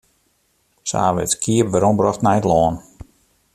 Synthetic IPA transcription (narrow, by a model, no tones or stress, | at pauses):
sa̰ːʋɪ̰tkʰiəpʋaɾɔmbrɔxtnɛjtlɔːn